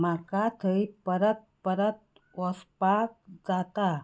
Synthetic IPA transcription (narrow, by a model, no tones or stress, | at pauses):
makat̪ʰəipəɾət̪̚pəɾət̪̚ | ɔspak̚d͡zat̪a